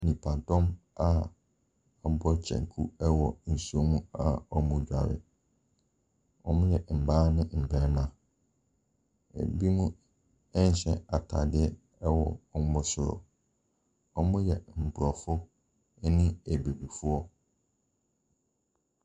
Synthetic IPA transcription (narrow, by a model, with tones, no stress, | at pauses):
nĩ˨pʰã˨n˨tʰɔ̃˦ma˨ | ɔ˨˦bɔ˦t͡ɕʰɛ̰̃˨ŋ˨kʰu˦ɛ˦wɔ˨n̩˨su˦o˦mũ˦a˨ɔ˨mũ˨d͡ʑᶣa̰˨wɪ̰˨ | ɔ̰˨mʊ̃˦jɛ˨m̩˨baː˦nɪ̃˦m̩˨bɛ˨˦mã˨ | ḛ˨bi˦mũ˦ | ɛ˦n̩˦ɕɛ̰̃˦a˨tʰa˨dɪ˦ɛ˦ | ɛ˦wɔ̰˨ɔ˨m˦bʊ˦sʊ˨ɾɔ̰˨ | ɔ˨mʊ̃˦jɛ˨m̩˨bʊ˨ɾɔ˨fʊ˦ | nɪ̃˦æ˨be˨bu˨fʊ˦ɔ˦